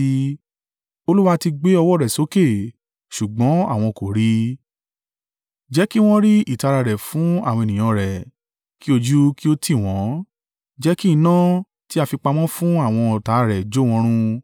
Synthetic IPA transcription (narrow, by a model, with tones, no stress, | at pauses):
i˧ | o˧lu˦wa˧ti˧ɡ͡be˦ɔ˧wɔ˦˨ɾɛ˨so˨˦ke˦˨ | ʃu˨ɡ͡bɔ̃˨˦a˦˨w̃ɔ̃˧ko˨ɾi˦ | d͡ʒɛ˨˦ki˦w̃ɔ̃˦ɾi˦i˦˨ta˨˧ɾa˧ɾɛ˨fũ˨˦a˦˨wɔ̃˧e˨nĩ˨j̃ã˧ɾɛ˨ | ki˦o˧d͡ʒu˦ki˦o˦tʰi˦˨w̃ɔ̃˨˦ | d͡ʒɛ˦ki˦˧nã˦ | ti˦a˧fi˧k͡pa˧mɔ̃˦fũ˦a˦˨w̃ɔ̃˧ɔ˨ta˨˦ɾɛ˨d͡ʒo˦w̃ɔ̃˧˦ɾ̃ũ˧